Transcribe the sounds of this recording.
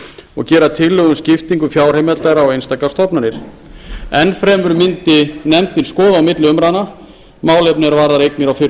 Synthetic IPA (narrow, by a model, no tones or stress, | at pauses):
ɔ̰ɣcɛːɾat̪ʰɪlːœɣʏmscɪft̪iŋkʏfjaːwɾ̥hejmɛlt̪aɾaawejnst̪akḁst̪ɔpnanɪɾ̥ | ɛnːfɾɛːmʏɾmɪnt̪ɪnɛmt̪ɪnskɔːðaːwmɪt̪lɪʏmɾaðna | maːwlɛpnɪɛɾvaːɾðaɾejknɪɾawfɪɾ